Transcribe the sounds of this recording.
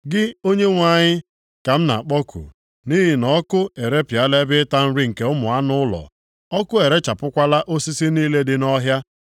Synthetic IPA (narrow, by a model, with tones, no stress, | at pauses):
ɡɪ˦o˦ɲe˦ŋʷa˦˨ɲɪ˦ | ka˨m̩˦na̰˨k͡pɔ˦kʰṵ˨ | ni˦ɦɪ˨nɔ˦kʊ˦e˨ɾe˦pja˦le˦bɪ˦ta˦m̩˦ɾi˦ŋ̩˨ke˦ʊ˦mʊ˨a˦nʊ˦ʊ˦lɔ̰˨ | ɔ˦kʊ˦e˨ɾe˦t͡ʃa˨pʊ˦kʷa˦la˦ʔo˦si˦si˦niː˦le˦dɪ˦nɔ˦ɦja˦